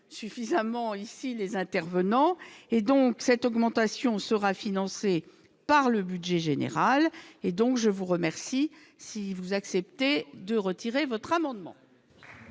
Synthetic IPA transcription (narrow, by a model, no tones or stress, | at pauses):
syfizamɑ̃isilezɛ̃t̪ɛʁvənɑ̃ed̪ɔ̃ksɛt̪ɔɡmɑ̃t̪asjɔ̃səʁafinɑ̃se | paʁləbydʒɛʒenḛʁaled̪ɔ̃kʒəvuʁəmɛʁsi | sivuzaksɛpt̪ed̪əʁət̪iʁevɔt̪χamɑ̃d̪mɑ̰̃